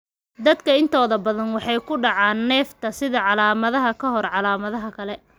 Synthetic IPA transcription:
d̪ɐd̪kʰɐɪnt̪ʰɔːðɐbɐðɐnwɑħɑjkʰʊɖɑʕɑːnːɛːft̪ʰɐsɪðɐʕɑlaːmɐðɐɦɐkʰɐɦɔrʕɑlaːmɐðɐɦɐkʰɐlɛ

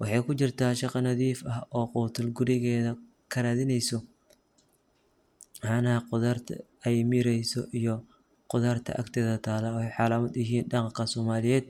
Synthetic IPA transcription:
wɑħɑjkʰʊt͡ʃɪrt̪ʰaːʃɑqɑnɐðiːfɐɦɔːqʊːt̪ʰʊlɡʊɾɪɣɛːðɐ | kʰɐɾaːðɪnɛjsɔ | ʕanɐqʊðɐrt̪ʰ | ɛjmɪɾɛjsɔ̰ʔijɔ | qʊðɐrt̪ʰɐ̰ʔɐkt̪ʰɛːðɐt̪ʰaːlɐhɛjħɑːlaːmɐd̪jɪɦiːnɗɑqɑkʰɐsɔːmaːlɪjɛːd̪̚

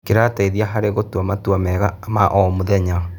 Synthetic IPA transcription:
keɾataiðiaɦaɾeɣotwamatwamɛɣamaʔɔmoðɛɲa

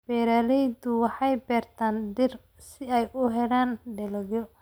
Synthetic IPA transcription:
b̥ɛːɾaːlɛjd̪ʊwɑħɑjbɛːrt̪ʰaːnd̪ɪr | sɪɛjʔʊɦɛɽaːnɖɛlɐɣɔ

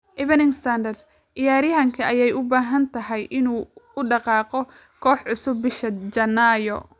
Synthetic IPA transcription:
ʔɪβɐnɪŋst̪ʰand̪ɐrs | ʔɪjaːɾɪɦɐŋkʰɐʔɐjɛjʊbaːɦɐnt̪ʰɐɦɛjʔɪnuːʊɖɑqɑːqɔ | kʰɔːħʕʊsʊbːɪʃɐd͡ʒɐnaːjɔ̰

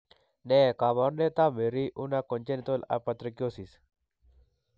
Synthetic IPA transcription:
nekaʋaɾnet̪ameɾiʔunakɔnt͡ʃent̪ola̰pət̪ɾəkjosis

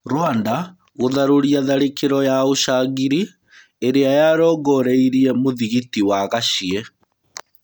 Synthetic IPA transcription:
ɾwanda | ɣoðaɾoɾiaðaɾekeɾɔjaoʃaɣiɾi | eɾeajaɾɔːɣɔɾeiɾiɛmoðiɣitiwaɣaɕiɛ

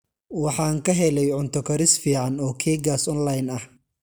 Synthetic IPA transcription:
wɑħɑːŋkʰɐɦɛlɛjʕʊnt̪ʰɔkʰɐɾɪsfiːʕɑnɔːkʰɛːɡaːsɔnlajnɐh

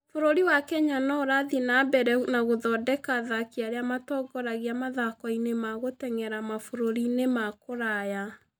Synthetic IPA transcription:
foɾoɾiwakɛɲanɔoɾaðinabɛɾɛnaɣoðɔdɛkaðakiaɾeamatɔɡɔɾaɣeamaðakɔinemaɣotɛŋɛɾamafoɾoɾinemakoɾaja

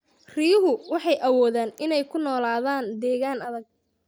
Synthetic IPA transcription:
rijʊɦʊwɑħɑjʔɐwɔːðaːnʔɪnɛjkʰʊnɔːlaːðaːnd̪ɛːɣaːnɐðɐɡ̚

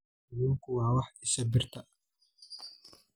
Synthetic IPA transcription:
ɪjɪŋkʰʊwɑːwɑħɪsɐbɪrt̪ʰɐ

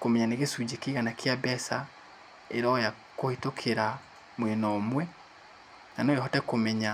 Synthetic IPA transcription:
komɛɲaneɣesud͡ʑekeɣanakʰjabɛsa | eɾɔja | kohetokʰeɾa | mwenɔmwɛ | nanoehɔtɛkomɛɲa

